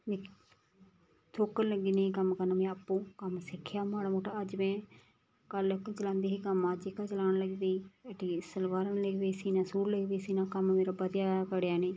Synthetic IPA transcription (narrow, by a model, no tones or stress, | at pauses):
mẽː | t̪ʰoːkənləɡd̪iːnẽikəmkəɾnaːmɛ̃ːəpːõːkəmsɪkʰːjaːmaːɽmoːʈaəd͡ʒmɛ̃ː | kəlt͡ʃəlãːnd̪eːɦiːkəmaːd͡ʒekat͡ʃəlaːnləɡd̪eːiːəʈiːsəlʋaːɾənləɡbeːsiːnãːsuːɾləɡbeːsiːnãːkəmmeːɾaːbəd̪jaːkəɽjaːnẽː